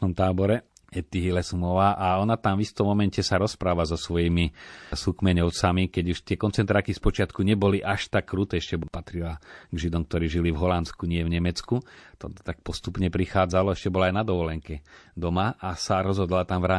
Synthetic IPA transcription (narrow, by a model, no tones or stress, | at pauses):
ɔmt̪aːbɔɾɛ | ɛt̪iɦilɛsumɔʋaːʔaɔnat̪amvist̪ɔmːɔmɛncɛsaɾɔspɾaːʋazɔsʋɔjiːmisukmɛɲɔʊt͡samikɛɟuʃt̪ɪɛkɔnt͡sɛnt̪ɾaːkispɔt͡ʃɪat̪kuɲɛbɔliʔaʃt̪akːɾut̪ɛɛʃcɛbɔpat̪ɾilaɡʒid̪ɔmk̚t̪ɔɾiːʒilivɦɔlanskuɲɪɛvɲɛmɛt͡skut̪ɔt̪ak̚pɔst̪upɲɛpɾixaːd͡zalɔɛʃcɛbɔlaːjnad̪ɔʋɔlɛŋkɛd̪ɔmaʔasaɾɔzɦɔd̪lat̪amvɾaː